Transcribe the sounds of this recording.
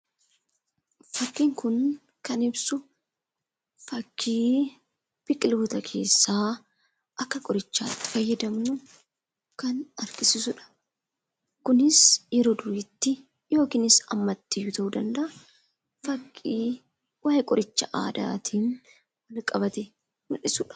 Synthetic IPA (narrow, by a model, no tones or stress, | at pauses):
fɐkːiːŋkʊn | kɐnɪbsʊ | fɐkʰːiː | b̥ɪkʼɪluːt̪ɐkʰe̞ːsːaː | ʔɐkːɐkʼɔɾɪt͡ʃːaːt̪ːɪ̥fɐjːɐd̪ɐmnʊ | kɐnɐɾkʼɪsɪsʊᶑɐ̥ | kʊnɪsjɛɾoːd̪ʊɾɪt̪ːɪ | jo̞ːkɪːnɪsɐ̰mːɐt̪ːɪjʊt̪ɐʔud̪ɐnd̪ɐʔɐ | fɐkʼːiː | waːjɛkʼɔɾɪt͡ʃːɐʔa̰ːd̪a̰ːt̪ʰiːn | wɐlkʼɐbɐt̪ɛ | mʊlɪsʊᶑɐ̥